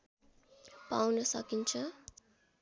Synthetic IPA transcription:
pa̰wnʌsʌkint͡sʰʌ

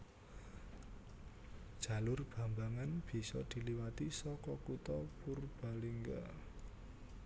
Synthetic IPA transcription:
d̥ʒ̥a̤lʊrb̥a̤mbaŋanb̥i̤sɔd̪̥i̤liwat̪isɔkɔkut̪ɔpurb̥a̤liŋɡa̰

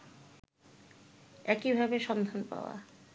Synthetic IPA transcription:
ɛkibʱabeʃɔnd̪ʱanpa̰oa̰

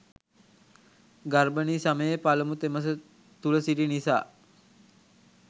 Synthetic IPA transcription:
ɡarbəniːsaməjepaləmut̪eməs̬ə | t̪uləsiɖinisa̰ː

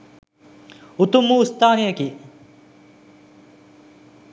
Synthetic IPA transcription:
ut̪umːuːst̪aːnijəki

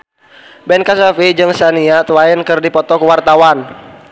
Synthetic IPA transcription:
bɛnkasafid͡ʒɨŋsaniat̪wainkɨrdipɔt̪ɔkuwart̪awan

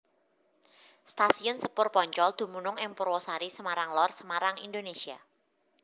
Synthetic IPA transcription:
st̪asiʊnsəpʊrpɔɲt͡ʃɔld̪̥ṳmunʊŋɪŋpʊɾwɔsaɾisəmaɾaŋlɔrsəmaɾaŋind̪onesia̰

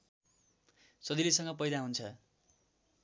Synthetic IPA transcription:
sʌd̪ilisʌŋɡʌpʌjd̪aɦunt͡sʰʌ

